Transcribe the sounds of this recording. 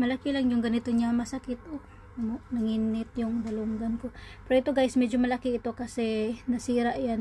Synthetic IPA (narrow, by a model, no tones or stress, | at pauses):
mɐlɐkɪlaŋjʊŋɡɐnɪt̪oɲamɐsɐkɪt̪ʔo | amonɐŋiːnɪt̪jʊŋd̪ɐluŋɡɐnko̞pɛɾɐʔɪt̪oɡajsmɛd͡ʒomɐlɐkɪʔɪt̪o̞kɐsɛnɐsiːɾaʔjan